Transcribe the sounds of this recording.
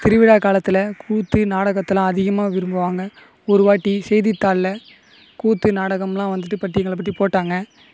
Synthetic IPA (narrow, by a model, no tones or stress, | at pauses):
t̪ɪɾɯʋɪɽaːkaːlɐt̪ːɪlɐkʰuːt̪ːɯnaːɽɐɣɐt̪ːɯlãːɐðɪɣɐmaːʋɪɾɯmbɯʋaːŋɡɐ | ɔɾɯʋaːʈːisɛjðɪt̪ːaːllɐ | kuːt̪ːɯnaːɽɐɣɐmlãːʋɐnd̪ɯʈ̬ːɯpɐʈːiɛŋɡɐɭɐp̬ːɐʈːipoːʈːaːŋɡɐ